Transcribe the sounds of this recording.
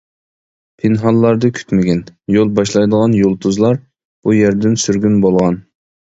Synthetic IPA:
pʰɪnɦɑlˠːɑɾd̪ɨkʲʰy̥t̪mɪɡʲɛnjolˠbɑʃlˠɑjd̪əʁɑnjolˠt̪ʰuzlˠɑɾ | b̥ujæɾd̪ɪnsyɾɡʲynbolˠʁɑn

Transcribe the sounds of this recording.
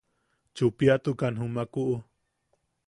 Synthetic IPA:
t͡ʃupiat̪ukanɦumakuʔu

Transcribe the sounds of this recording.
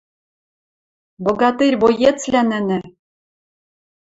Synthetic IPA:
boɣɑt̪erʲβojet͡slʲænɘ̆nɘ̆

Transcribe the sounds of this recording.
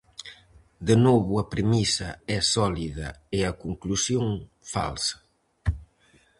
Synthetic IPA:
d̪ənoβuɐpɾemisɐɛsɔliðɐ̰eɐkuŋklusjoŋ | fa̰lsɐ̥

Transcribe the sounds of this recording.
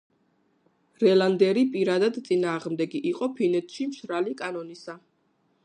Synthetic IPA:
ɾɛlˠand̪ɛɾipʼiɾad̪ad̪t̪sʼinaːʁmd̪ɛɡiʔiqʼɔpʰinɛt̪ʰʃimʃɾalikʼanɔnisa

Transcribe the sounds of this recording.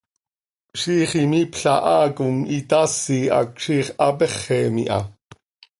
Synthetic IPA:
ʃiːχimipɬɑʔɑːkumit̪ɑsːiɑ̰kʃiːχɑpɛχːɛmḭʔɑ̰

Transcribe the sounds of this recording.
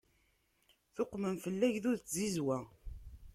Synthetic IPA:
θʊqːməmfəlːæʝðʊɾðt͡szizwæ

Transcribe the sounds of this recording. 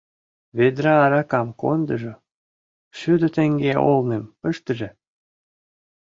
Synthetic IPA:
βed̪ɾɑːɾɑkɑmko̰nd̪əʒo | ʃyd̪ə̆t̪eŋɡeʔo̰lnempəʃt̪əʒĕ

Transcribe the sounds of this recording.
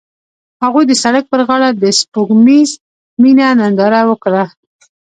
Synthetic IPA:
haɣujd̪əsaɽak̚pəɾɣɑɽad̪əspuɡmiz | minanand̪ɑɾawəkɽa

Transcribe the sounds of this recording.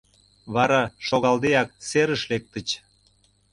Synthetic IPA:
βɑɾɑʃoɣɑld̪eɑk̚seɾəʃlek̚t̪ə̆t͡ɕ

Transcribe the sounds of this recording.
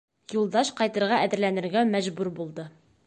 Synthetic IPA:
julˠd̪ɑʃqɑjt̪ɤ̆ɾʁɑʔæðɘ̆ɾlænɘ̆ɾɡæmæʑbuɾbulˠd̪ɤ

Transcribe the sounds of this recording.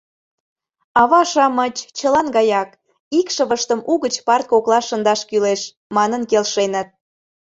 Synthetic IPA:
ɑβɑʃɑmət͡ɕt͡ɕəlɑnɡɑjɑk | ikʃəβəʃt̪əmʔuɣət͡ɕpɑr̚koklˠɑʃə̆nd̪ɑʃkyleʃ | mɑnənkelʃenə̆t̪̚

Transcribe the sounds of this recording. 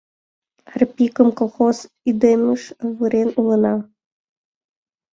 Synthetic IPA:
rpʲikə̆mkolˠxos | id̪emʲɨʃʋɨɾenulˠɤ̆nɑ

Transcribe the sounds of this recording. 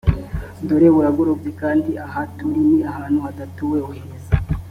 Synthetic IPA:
doɾeβuɾaɡoɾobzekaːndiaɦatuɾiniahaːnhuhadatuwewuheza

